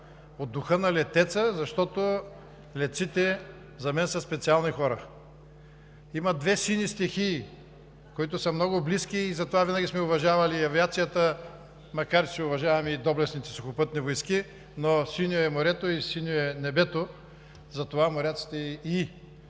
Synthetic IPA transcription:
od̪ːʊxənɐlɛt̪ɛt̪səzɐʃt̪ɔt̪o | lɛt̪sit̪ɛ | zɐmɛnsɐspɛt̪sialˠnixɔɾə | imɐd̪vɛsinist̪ɛxi | koit̪ʊsɐmnɔɡʊbliskʲiːzɐt̪ovavinəɡʲismɛʊvɐʒavɐliɐviat̪sijət̪ə | mɐkaɾt͡ʃɛʊvɐʒavɐmid̪ɔblɛsnit̪ɛsoxʊpɤt̪nivojski | nosinʲoɛmoɾɛt̪oisinʲoɛnɛbɛt̪o | zɐt̪ovamoɾʲat̪si̥t̪ɛii

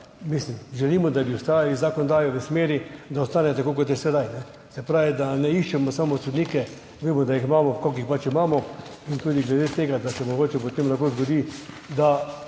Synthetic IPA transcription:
mislimʒɛliːmɔd̪abiʊst̪aːjalizakɔnd̪aːjoʋəsmeːɾid̪aɔst̪aːnɛt̪akokot̪jɛsɛd̪ajnɛ | sɛpɾaːʋid̪anɛiʃt͡ʃɛmɔsamɔt̪sud̪niːkɛ | ʋeːmɔd̪ajiximaːmɔkɔkixpat͡ʃimaːmɔ | int̪uːd̪iɡlɛd̪eːt̪eːɡad̪asɛmoɡoːt͡ʃɛpot̪eːmlaxkozɡod̪iː | d̪a

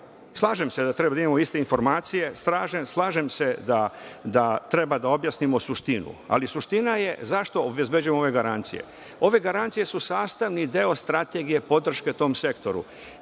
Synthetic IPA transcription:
slˠaːʒemse̞d̪at̪ɾebad̪aimamoist̪e̞info̞ɾmaːt̪sije̞st̪ɾaːʒemslˠaːʒemse̞d̪ad̪at̪ɾe̞bad̪ao̞bjasnimo̞suʃt̪inṵa̰lisuʃt̪inaje̞zaʃt̪o̞ːbʋezbe̞d͡ʑujemooʋe̞ɡaɾant̪sḭjḛ | o̞ʋe̞ɡaɾant̪sije̞susaːst̪aʋnid̪eo̞st̪ɾat̪e̞ɡije̞po̞d̪r̩ʃke̞t̪oːmse̞kt̪o̞ɾṵ

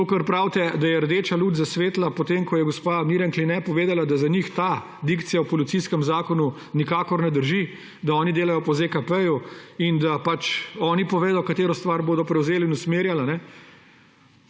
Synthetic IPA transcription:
t̪oːkɐɾpɾawt̪ɛd̪ajɛɾd̪eːt͡ʃaluːd̪zasʋeːt̪lapɔt̪emkɔjɛɡɔspamiɾanklinɛpɔʋeːd̪alad̪azaɲixt̪a | d̪ikt̪sijawpɔlit̪siskɛmzaːkɔnu | nikaːkɔɾnɛd̪əɾʒi | d̪aɔːnid̪eːlajɔpɔzekapɛjuind̪apat͡ʃɔːnipɔʋeːd̪ɔkat̪eːɾɔst̪ʋaɾboːd̪ɔpɾɛwzeːliːnusmeːɾjalanɛ

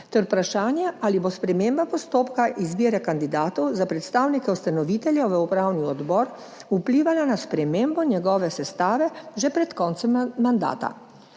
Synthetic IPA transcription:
t̪ɛɾpɾaʃaːnjɛʔalibospɾɛmeːmbapɔst̪oːpkaʔizbiːɾɛkand̪id̪aːt̪ɔwzapɾɛt̪st̪aːwnikɛust̪anɔʋiːt̪ɛljɛʋəupɾaːwniɔd̪bɔːɾ | upliːʋalanaspɾɛmeːmbɔnjɛɡɔːʋɛsɛst̪aːʋɛʒɛpɾɛt̪kɔːnt̪sɛmːand̪a̰ːt̪a̰

